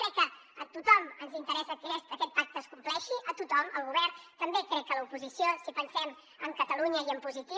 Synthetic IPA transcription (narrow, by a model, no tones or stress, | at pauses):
kɾɛkːəːt̪ut̪ɔmənzint̪əɾɛsəkɛst̪əkɛt̪̚pak̚t̪əːskumplɛʃiʔət̪ut̪ɔməlˠɣuβɛrnt̪əmbekɾɛk̚ːələupuzisiosipənsɛm | əmkət̪əluɲəiəmpuzit̪i